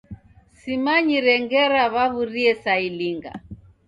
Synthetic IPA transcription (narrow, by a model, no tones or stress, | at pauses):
simaɲiɾɛŋɡɛɾaβaβuɾiɛsailiŋɡa̰